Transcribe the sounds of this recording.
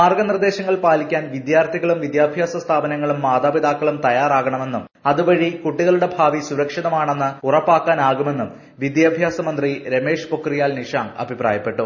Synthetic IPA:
aːrɡɐnird̪e̞ːɕɐŋːɐɭpaːlikʲːaːnʋid̪jaːrt̪ʰiɣɐɭumʋid̪jaːbʱjaːsɐst̪ʰaːbɐnɐŋːɐɭumːaːd̪aːbiðaːkːɐɭumt̪ɐjaːraːɣɐɳɐme̞nːum | ɐðuʋɐɻikuʈːiɣɐluɽe̞bʱaːʋisuɾɐkʂiðɐmaːɳe̞nːɨurɐpːaːkːaːnaːɣume̞nːum | ʋid̪jaːbʱjaːsɐmɐnd̪riɾeme̞ːʂpokːrijaːlniʂaːŋɐ̰bʱipra̰ːjɐpːe̞ʈːu

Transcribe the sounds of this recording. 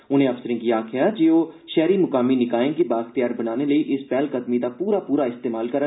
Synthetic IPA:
ʊn̤ẽːəfsəɾɪ̃ŋɡiːaːkʰɪjaːd͡ʒeːoːʃɛːɾimʊkaːminɪkaːẽːɡebaːxt̪ɪjaːɾbənaːneləiʔɪspɛːlkət̪mid̪aːpuːɾaːpuːɾaːɪst̪eːmaːlkəɾ

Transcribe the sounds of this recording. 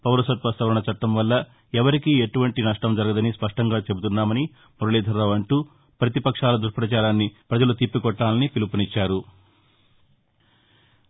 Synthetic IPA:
pɐʋɐɾusɐt̪̚pɐst̪ɐʋɾɐɳɐt͡ʃɐʈːɐmʋɐlːɐ | ɛʋɐɾikieʈuʋɐɳʈinɐʂʈɐmd͡ʒɐɾɐɡɐd̪ɐnispɐʂʈɐŋɡaːt͡ʃe̞but̪unːaːmɐni | muɾɐleːd̪ʱɐɾːɐʋɐɳʈuː | pɾɐt̪ipɐkʂaːlɐd̪uɾpɾɐt͡ʃaːɾaːnːipɾɐd͡ʒɐlut̪ipːikɔʈːaːlɐnipilupɐnit͡ʃːaːɾu

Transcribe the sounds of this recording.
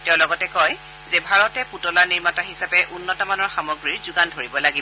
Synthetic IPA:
tɛʊ̃lɔɡɔtɛkɔj | zebʱaɹɔtɛputɔlaniɹmataɦisapɛʔunːɔtamanɔɹxamɔɡɹiɹzuɡandʱoɹibɔlaɡibɔ

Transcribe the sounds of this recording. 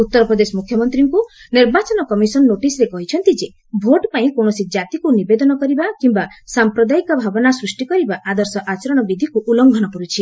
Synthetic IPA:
ut̪ːɔɾɔpɾɔd̪esɔmukʰjɔmɔnt̪ɾiŋkuniɾbat͡ʃɔnɔkɔmisɔnːoʈisɾekɔɦit͡ʃʰɔnt̪id͡ʒe | bʱoʈpaĩkoɳ̃ɔsid͡ʒat̪ikunibed̪ɔnɔkɔɾibakimbasampɾɔd̪aikɔbʱabɔnasɾusʈikɔɾibaʔad̪ɔɾsɔʔat͡ʃɔɾɔɽ̃ɔbid̪ʱikuʔulɔŋɡʱɔnɔkɔɾut͡ʃʰi

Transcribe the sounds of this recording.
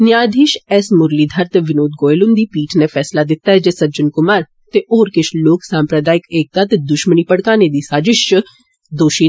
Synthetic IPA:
nɪjaːd̪ʱiːʃɛːsmʊɾliːd̪ʱəɾt̪eʋɪnoːd̪̚ɡoːelʊnd̪iːpiːʈʰneːfʰɛːslaːd̪ɪt̪ːaːɦɛd͡ʒɛːsəd͡ʒənkʊmaːɾ | t̪eʔoːɾkɪʃloːksaːmpɾəd̪aːɪkeːk̚t̪aːt̪ed̪ʊʃməniːpəɽkaːneːd̪iːsaːd͡ʒɪʃt͡ʃə | d̪oːʃiː

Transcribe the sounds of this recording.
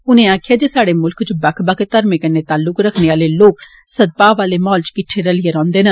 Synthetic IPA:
ʊnẽːaːkʰɪjaːd͡ʒeːsaːɽeːmʊlkt͡ʃbəkʰbəkʰt̪əɾmekənːeːt̪aːlːʊkɾəkʰneːaːleːloːk | səd̪̚paːʋaːleːmɔːlt͡ʃkɪʈʰːeːɾəlɪeɾɔ̃ːnd̪eːnə

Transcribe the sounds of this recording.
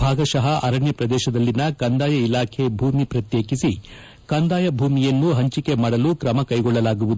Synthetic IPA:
bʱaːɡɐʃɐɦɐʔɐɾɐɳjɐpɾɐd̪ɛːʃɐd̪ɐlːinɐkɐnd̪aːjɐilaːkʰe̞bʱuːmipɾɐt̪jeːkisi | kaːnd̪aːjɐbʱuːmijɐnːuɦɐɲt͡ʃike̞maːɽɐlukɾɐmɐkɐjɡɔɭːɐlaːɡuʋud̪u

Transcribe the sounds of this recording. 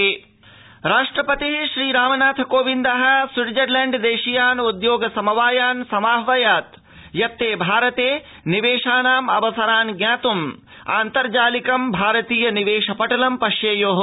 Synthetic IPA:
ɾaːʂʈɾɐpɐt̪iɦʃɾiːɾaːmɐnaːt̪ʰɐkoːʋind̪ɐɦɐ̆swiɾd͡ʒɐɾlɐɳɖd̪eːʃijaːnud̪joːɡɐsɐmɐʋaːjaːnsɐmaːɦʋɐjaːt̪ | jɐt̪ːeːbʱaːɾɐt̪eː | niʋeːʂaːnaːmɐʋɐsɐɾaːnɡɲaːt̪um | a̰ːnt̪ɐɾd͡ʒaːlikɐmbʱaːɾɐt̪iːjɐniʋeːʃɐpɐʈɐlɐmpɐʃjeːjoːɦ

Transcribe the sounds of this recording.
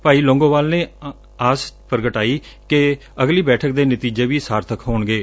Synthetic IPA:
paːiːlõːŋɡõːʋaːlnẽː | aːspəɾəɡəʈaːiː | ke | əɡliːbɛːʈʰək̚d̪eːnət̪iːd͡ʒeːʋiːsaːɾt̪ʰəkʰɦoːɳɡeː

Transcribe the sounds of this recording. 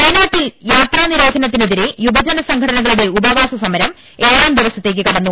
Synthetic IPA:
kɐjnaːʈːiljaːt̪raːniɾo̞ːd̪ʱɐnɐt̪ːineðiɾejubɐd͡ʑɐnɐsɐŋɡʱʰɐɽɐnɐɣɐɭuɽe̞ubɐʋaːsɐsɐmɐɾɐm | eːɾaːmd̪ʱiʋɐsɐt̪ːe̞ːk̬ʲːɨkɐɽɐnːu

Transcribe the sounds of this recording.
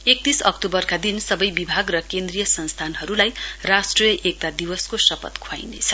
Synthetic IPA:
ek̚t̪isʌkt̪obʌrkad̪insʌbʌjbibʱaɡrʌkend̪rijʌsʌnst̪ʰanɦʌɾulajrasʈrʌjʌʔek̚t̪ad̪iwʌskosʌpʌ̰t̪kʰwa̰jnḛt͡sʰʌ

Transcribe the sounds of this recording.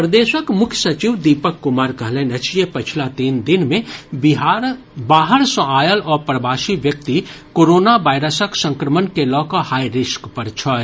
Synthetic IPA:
pɾəd̪eːʃəkmʊkʰjsɐt͡ʃiʋd̪iːpəkːʊmaːɾkɐɦlẽːnet͡ʃʰijepɐt͡ʃʰlat̪iːnd̪ɪnmẽb | baːɦəɾsɔ̃aːjəlɔːɾpɾəbʱaːʃiʋjɐk̚t̪ikoːɾoːnaʋaːɪɾəsəksə̃ŋkɾəmənkelɔːkohaːiɾɪʃkpɐɾt͡ʃʰɔ

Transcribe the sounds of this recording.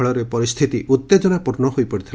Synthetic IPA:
ɔɭɔɾepɔɾist̪ʰit̪iʔut̪ːed͡ʒɔnapuɾnɔɦojpɔɽit̪ʰil

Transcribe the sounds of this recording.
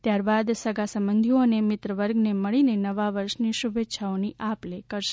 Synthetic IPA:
t̪jaɾbad̪səɡasəmbənd̪ʱionemɪt̪ɾəʋəɾɡneməɭinenəʋaʋəɾʃniʃubetːʃʰaoniʔaplekəɾʃe̥

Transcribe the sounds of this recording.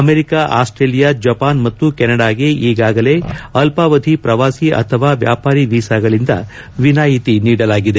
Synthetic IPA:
ɐmeɾikaʔa̰ːsʈɾeːlijad͡ʒɐpaːnmɐt̪ːukɛnɐɽaːɡe̞iːɡaːɡɐle̞ɐlpaːʋɐd̪ʱipɾɐʋaːsiʔɐ̰t̪ʰɐʋaːʋja̰ːpaːɾiʋiːsaːɡɐɭind̪ɐ̰ | ʋinaːjit̪iniːɽɐlaːɡid̪e

